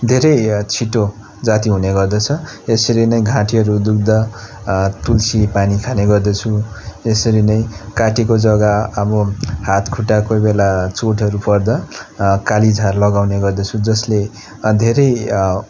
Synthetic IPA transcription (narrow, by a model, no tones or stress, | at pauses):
d̪ʱeɾʌjt͡sʰiʈo | d͡zat̪iɦuneɡʌrd̪ʌt͡sʰʌesʌɾinʌj̃ɡʱãʈiɦʌɾud̪uk̚d̪ʌ | t̪ulsipanikʰaneɡʌrd̪ʌt͡sʰuesʌɾinʌj̃kaʈikod͡zʌɡaʌbʌhat̪kʰuʈakojbelat͡soʈʰʌɾupʌrd̪ʌkalid͡zʱarlʌɡawneɡʌrd̪ʌt͡sʰud͡zʌsle | d̪ʱeɾʌj